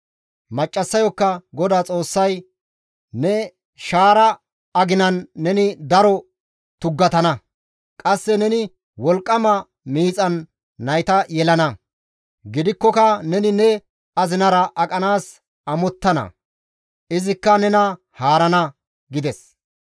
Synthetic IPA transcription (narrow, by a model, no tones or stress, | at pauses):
mɐt͡ʃʼːɐsːɐjɔkːɐɡɔd̪aːt͡sʼo̞ːsːɐj | nɛ | ʃaːɾɐː | ɡɪnɐnːɛnɪd̪ɐɾɔ | t̪ʊɡːɐt̪ɐnɐ | kʼɐsːɛnɛnɪ | wɔlkʼːɐmɐ | miːt͡sʼɐnː | ɐjt̪ɐjɛlɐnɐ | ɡɪd̪ɪkːɔkɐnɛnɪnɛ | ɐzɪnɐɾɐʔɐkʼɐnaːs | ɐmɔt̪ːɐnɐ̰ | ɪzɪkːɐnɛnɐ | haːɾɐnɐ | ɡɪd̪ɛs